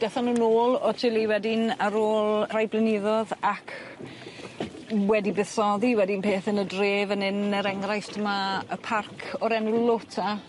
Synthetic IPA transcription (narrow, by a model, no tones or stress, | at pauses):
d̥ɛθanuːnoːlˠɔtʰɪlˠiwɛdɪnaɾoːlˠrajblˠɪnɪðɔðakʰ | wɛdibɪθsɔðiwɛdɪnpʰeːθənədreːvənɪnɛɾɛŋrajstʰəmaəpʰarkʰɔɾɛnulˠotʰa